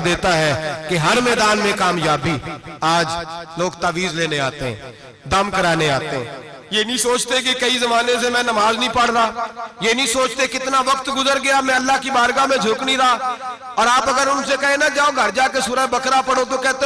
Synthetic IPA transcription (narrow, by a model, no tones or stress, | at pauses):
d̪eːt̪aɦɛkeɦɐɾmɛːd̪aːnmẽkaːmjaːbiaːd͡ʒloːɡt̪aːʋiːzleːneaːt̪eɦɛ̰̃ː | d̪ɐmkɐɾaːneaːt̪eɦɛ̰̃ː | jeːnɐĩsoːt͡ʃt̪ek̬ikɐizɐmaːnẽsemɛ̃ːnɐmaːznəĩpəɽ̤ɾaːjeːnɐĩsoːt͡ʃt̪ekɪt̪naʋɐkt̪ɡʊzəɾɡɐjamɛ̃ɐlːaɦkibaːɾɡamẽd͡ʒʱʊknəĩɾɐaː | ɔːɾaːpɐɡəɾʊnsekɐɦẽnad͡ʒaːõɡʱɐɾd͡ʒakesʊɾəbɐkɾapɐɽõt̪okɛːt̪ẽ